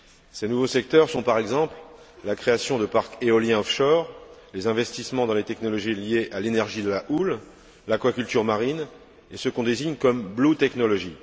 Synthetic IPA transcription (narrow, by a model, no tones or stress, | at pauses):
senuvosɛk̚t̪œʁsɔ̃paʁɛɡzɑ̃pl | lakχeasjɔ̃d̪əpaʁkeɔljɛ̃ɔfʃɔʁlezɛ̃vɛst̪ismɑ̃d̪ɑ̃let̪ɛknɔlɔʒiljeʔalenɛʁʒid̪əlaʔul | lakwakʲylt̪yʁmaʁin | esəkɔ̃d̪eziɲkɔmblot̪ɛknɔlɔʒi